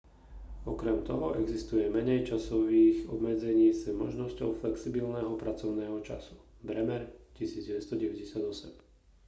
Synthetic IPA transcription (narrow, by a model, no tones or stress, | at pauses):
ɔkɾɛmt̪ɔɦɔʔɛɡzist̪ujɛmɛɲɛjt͡ʃasɔʋiːɣɔbmɛd͡zɛɲiːsɛmɔ̰ʒnɔscɔʊflɛksibilnɛːɦɔpɾat͡sɔʊnɛːɦɔt͡ʃa̰su̥ | bɾɛmɛɾcisiːd͡zɟɛʋɛst̪ɔɟɛʋɛɟɛsɪad̪ɔsɛm